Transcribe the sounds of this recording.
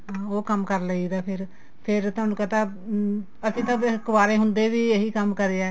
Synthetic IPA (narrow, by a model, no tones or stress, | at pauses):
ɦãːoːkəmkəɾləiːd̪aːpʰɪɾ | pʰɪɾt̪ʊɦaːnũːkət̪aː | ət̪ĩːt̪əɪkːbaːɾeːɦʊnd̪eːʋiːeɦiːkəmkəɾeːɛː